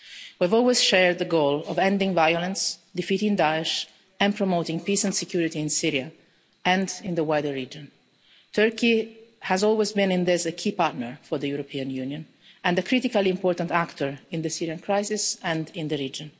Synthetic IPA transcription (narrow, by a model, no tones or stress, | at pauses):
wiavɔlwiz̥ʃɛɹd̪̚ðəɡoːlɔvɛ̃nd̪ĩŋvajɔlə̃nsd̪ifitɪ̃ŋd̪aɛʃ | ɛ̃npɹɔmoːt̪ɪ̃ŋpiːsɛ̃ntsɛkʰjuɾit̪iɪ̃nsiɾja | ɛ̃ndɪ̃nd̪əwajdəɹid͡ʒɔ̃n | t̪ʰɜɹkihæzɔlwezbĩnɪ̃nd̪ɪsəkʰipaɹt̪nəɹfɔɾðəjuɾɔpʰiːãnjunjɔ̃n | ɛ̃nd̪əkʰɾit̪ikaliɪ̃mpɔːɹt̪ãnt̪akt̪ɔɹɪ̃nd̪əsiɾiãnkʰɾajsɪsɛ̃ndɪ̃nd̪əɾiːd͡ʒɔ̃n